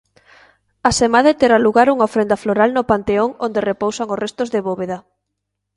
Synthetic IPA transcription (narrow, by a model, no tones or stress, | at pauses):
asemaðet̪eɾaluɣaɾuŋaofɾend̪ɐfloɾalnopant̪eoŋond̪erepowsaŋosrest̪ozðeβoβeða